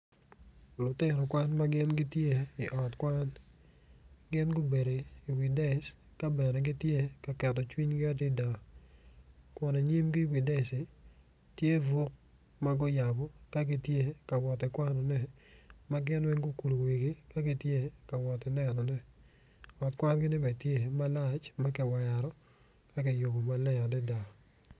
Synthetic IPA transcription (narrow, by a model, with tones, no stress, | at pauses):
lʊ˨tɪ˦˨ɾɔ˨kwa˦nma˦ɡɪ˦nɡɪ˦tje˦ɪ˨ʔɔ˨tkwa˦n | ɡɪ˦nɡʊ˦be˨ɾe˨ɪ˨wɪ˨da˦ɪ˨˦s | ka˦bɛ˨nɛ˨ɡɪ˦tje˦ka˨kɛ˨tɔ˨t͡ʃwi˦ɲɡɪ˦a˦dɪ˦da˨ | kwɔ˦ne˨ɲi˦mɡɪ˦wɪ˨da˦ɪ˨sɪ˨ | tje˦vo˦k̚ | ma˦ɡɔ˦ja˨bɔ˦ka˦ɡɪ˦tje˦ka˨wɔ˨tɪ˨kwa˦nɔ˨nɛ˦ | ma˦ɡɪ˦nwɛ˦ŋɡo˦ku˨lo˨wi˨ɡi˦ka˦ɡɪ˦tje˦ka˨wɔ˨tɪ˨nɛ˨nɔ˨nɛ˦ | ɔ˨tkwa˦nɡɪ˦nɪ˦bɛ˨tje˦˨ma˦la˦˨t͡ʃma˦kɪ˨wa˨ja˨ɾɔ˦ | ka˦kɪ˨jo˨bo˨ma˦lɛ˦a˨dɪ˦da˨